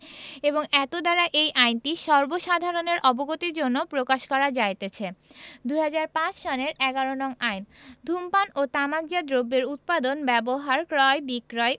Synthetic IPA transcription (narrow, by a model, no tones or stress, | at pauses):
eboŋɛt̪od̪aɾaʔejʔajnʈiʃɔɾboʃad̪ʱaɾoneɾʔɔboɡot̪iɾd͡ʑonːopɾokaʃkɔɾad͡ʑajt̪et͡ɕʰed̪ujɦad͡ʑaɾpãt͡ɕʃɔneɾɛɡaɾonɔŋajnd̪ʱumpanot̪amaɡd͡ʑad̪ɾobːeɾut̪̚pad̪onbɛboɦaɾkɾɔebikɾɔe